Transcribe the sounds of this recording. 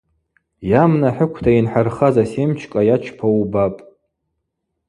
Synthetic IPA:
jamnaħəkʷʰtʰainħarχazasemt͡ʃʰkʼajat͡ʃʰpʰawbapʼ

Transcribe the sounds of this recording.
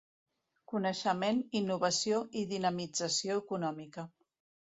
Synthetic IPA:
kunəʃəmeninːuβəsioiðinəmid͡zəsioəkunɔmikə

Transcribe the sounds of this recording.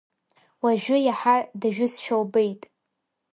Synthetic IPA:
waʒᶣʊjaħadaʒᶣʊsʃᶣowbejtʼ

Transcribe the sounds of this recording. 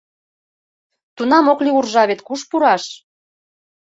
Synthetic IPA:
t̪unɑmokliurʒɑβet̪kuʃpuɾɑʃ

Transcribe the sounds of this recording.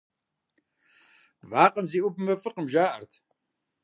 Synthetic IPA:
vaːqʼəmziːʔʊpʰɨmɐfɨqəmʒaːʔɐ̰rtʰ

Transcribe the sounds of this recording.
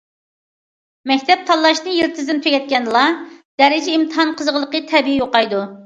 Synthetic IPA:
mɛkʲt̪ʰɛp̚t̪ʰɑlˠːɑʃnɨjeɾt̪ʰɨzɪnt̪ʰøkʲɛt̪̚kʲɛnlˠɑd̪̥ɛɾɪd͡ʒɛimt̪ʰɨɦɑnqʰəzʁəlˠəqət̪ʰɛbijoqɑjd̪u

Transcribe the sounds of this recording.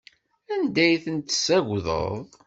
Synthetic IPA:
ænd̪æjθənt̪ːsæʝʷðˤə̰ðˤ

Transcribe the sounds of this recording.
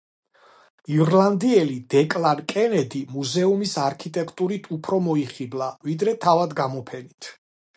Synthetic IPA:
iɾland̪iɛlid̪̥ɛkʼlaɾkʼɛnɛd̪imuzɛumisaɾkʰit̪ʼɛkʰt̪ʼuɾit̪ʰupʰɾɔmɔiχiblˠavid̪ɾɛt̪ʰavad̪ɡamɔpʰɛnit̪ʰ

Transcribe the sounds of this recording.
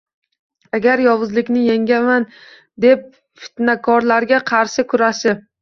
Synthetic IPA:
aɡʲaɾjɒwʊzlɪkʲnɪjaŋɡʲaman | d̪e̞p̚ | fɪ̥t̪nakʰɒɾlaɾɡʲaqʰɑɾʃɪkʰʊɾaʃɪ

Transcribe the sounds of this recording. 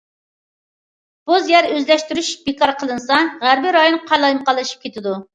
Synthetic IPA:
b̥uzjɛɾøzlɛʃt̪yɾyʃb̥ekɑɾqʰəlˠɨnsɑʁæɾbɪɾɑjonqʰɑjlˠɑjnqʰɑlˠːɨʃi̥p̚kʲʰet̪ʰɪd̪u

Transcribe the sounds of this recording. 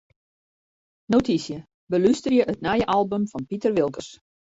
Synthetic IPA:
notisjə | bəlystərjəʔətnajəʔɑlˠbəmfɑnpitərʋɪlˠkəs

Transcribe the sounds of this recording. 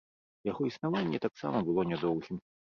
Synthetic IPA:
jaɣɔisnavanʲːɛt̪aksa̰mɐbɨlˠɔnʲɛd̪ɔwɣʲim

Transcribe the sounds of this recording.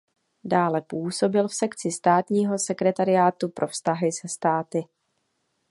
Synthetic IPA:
daːlɛpuːso̞bɪlfsɛkt͡sɪst̪aːt̪ɲiːɦo̞sɛkɾɛt̪aɾɪjaːt̪upɾʔo̞fst̪aɦɪsɛst̪aːt̪ɪ

